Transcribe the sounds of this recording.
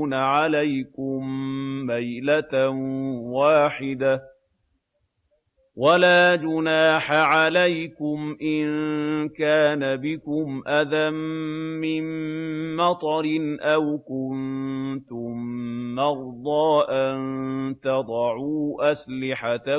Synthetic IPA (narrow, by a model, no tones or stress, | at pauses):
naʕalajkʊmːajlat̪nwaːħɪd̪a | walaːd͡ʒʊnaːħaʕalajkʊmʔɪnnkaːnabɪkʊmʔaðamːɪnmɑt̪ˤɑɾɪnʔawkʊnt̪ʊmnɑɾˤd̪ˤɑːʔant̪ɑd̪ˤɑʕuːʔaslɪħat̪